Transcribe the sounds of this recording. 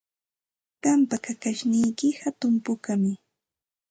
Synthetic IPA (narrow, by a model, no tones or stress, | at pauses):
ɢampakakaʃnɪjkɪhat̪ʊmpʊkamɪ